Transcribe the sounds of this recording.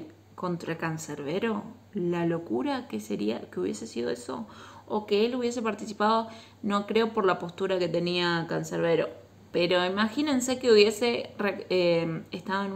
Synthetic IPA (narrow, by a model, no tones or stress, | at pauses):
ko̞nt̪ɾakanseɾβeɾo̞ | lalo̞kuɾakeseɾia̰keuβje̞se̞siðo̞̰eso̞̰ːkeeluβje̞s̬e̞paɾt̪isipaðo̞ | no̞kɾe̞o̞po̞ɾlapo̞st̪uɾake̞t̪e̞niakanseɾβ̞eɾo̞̰ | peɾo̞imaxinense̞keuβje̞se̞reeest̪aðoen